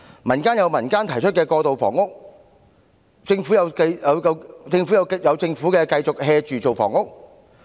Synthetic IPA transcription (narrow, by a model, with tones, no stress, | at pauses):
mɐ˨˩nkaː˥njɐ˨˧wmɐ˨˩nkaː˥nt̪ʰɐ˨˩jt͡ʃʰɵ˥t̚kɛː˧kɔː˧t̪o˨wfɔ̰ː˨˩ŋʊ˥k̚ | t͡sɪ˧ŋfu˨˥jɐ˨˧wkɐ˧jjɐ˨˧wjɐ˨˧wt͡sɪ˧ŋfu˨˥jɐ˨˧wkjɐ˨˧wt͡sɪ˧ŋfuː˨˥kɛː˧kɐ˧jt͡sʊ˨k̚hɛː˧t͡ʃyː˨t͡so˨wfɔ̰ː˨˩ŋʊ˥k̚